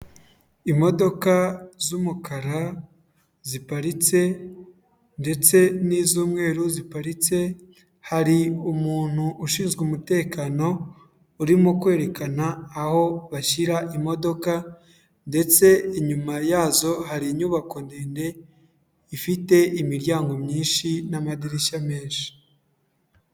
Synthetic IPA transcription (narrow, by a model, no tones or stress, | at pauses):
imo̞do̞kazumukaɾa | zipaɾit͡se̞ | nde̞t͡se̞niːzuːmŋe̞ːɾuzipaɾit͡se̞ | haɾiumuːn̥huʔːʃiːnzɡumute̞ːkaːno̞ː | ɾimokwe̞ːɾe̞kanaːho̞βaçiɾaʔimo̞do̞ka | nde̞t͡se̞iɲumajaːzo̞haɾiɲuβako̞ndeːnde̞ | ifite̞imiɾɟaːŋɡo̞mɲiːnʃinamadiɾeʃame̞ːnʃi̥